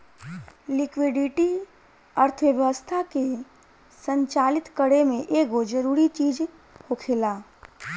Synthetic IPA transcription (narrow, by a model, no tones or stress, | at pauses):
lɪkwɪɖɪʈi | əɾt̪ʰʋəʋjʋəst̪ʰake | sə̃ɲt͡ʃaːlɪt̪kəɽemẽʔeːɡod͡ʒɐɾuːɾit͡ʃiːd͡ʒ | hokʰɪlaː